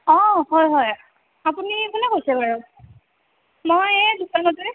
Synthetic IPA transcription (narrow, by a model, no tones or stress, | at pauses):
ɔhɔjɦɔj | apunikunɛkojsɛbaɹɔ | mojɛdukanɔtʊ